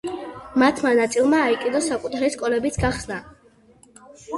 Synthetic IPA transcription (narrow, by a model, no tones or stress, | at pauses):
mat̪ʰmanat̪sʼilˠmaːikʼid̪ɔsakʼut̪ʰaɾiskʼɔlɛbit̪sʰɡaχsna